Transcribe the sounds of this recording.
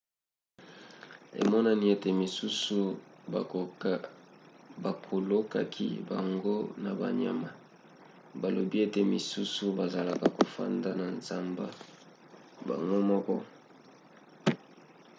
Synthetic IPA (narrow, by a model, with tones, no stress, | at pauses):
ḛ˨mɔ˦na˦ni˦e˦te˨mi˨su˦su˦ | ba˨kʰo˨lo˦ka˦kʰḭ˦ba˨ŋɡo˦na˨ba̰˨ɲa̰˨ma˨ | ba˨lo˨bi˦e˦te˨mi˨su˦su˦ba˨za˨la˨ka˨ko˨fa̰˦nda˦na˨nza˦mba̰˨ | ba̰˨ŋɡo˦mɔ˦kɔ̰˦